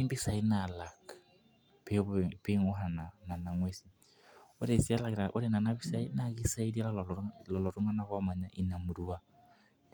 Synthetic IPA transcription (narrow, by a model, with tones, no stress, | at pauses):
i˦mbi˦sa˨i˦na˨la˨kḁ | pʰepe˦ŋʊ˦ɦa˨nana˨na˨ŋwe˦si˦ | ʊ˦ɾɛ˨si˦a˦la˨kɾa˨ʔʊ̰˦ɾɛ˦˨na˨nabi˦sa˦i˦naki˦sa˦i˦di˦a˦lallɔlɔ˨lɔ˨ɾu˦ŋa˦na˦ɣa˦ma˨ɲa˦ʔi˨na˨mu˨ɾu˦wa˦